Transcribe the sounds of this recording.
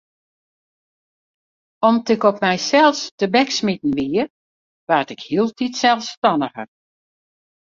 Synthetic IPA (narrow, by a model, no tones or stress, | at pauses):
ɔmtɪkɔpmɛjsɛlˠstəbɛksmitn̩ʋiə | ʋartɪkhiəlˠtʰitsɛlˠstɔnəɣər